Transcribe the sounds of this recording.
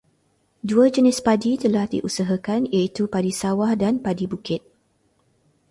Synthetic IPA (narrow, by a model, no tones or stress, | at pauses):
duəd͡ʒənɪspadit̪əlahdḭʔusaɦakanijait̪upadisawahdanpadibukɪt̪̚